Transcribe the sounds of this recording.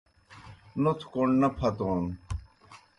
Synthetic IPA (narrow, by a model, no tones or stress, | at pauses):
not̪ʰkoɳnɐpʰɐt̪oːn